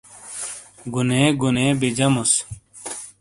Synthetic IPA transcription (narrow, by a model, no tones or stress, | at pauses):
ɡuneːɡuneːbid͡ʑɐmus